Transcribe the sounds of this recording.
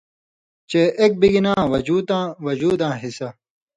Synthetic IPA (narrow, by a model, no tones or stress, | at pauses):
t͡ɕeːʔek̚biɡinãːwɐd͡ʑuːd̪ãːwɐd͡ʑuːd̪ãːɦisɐ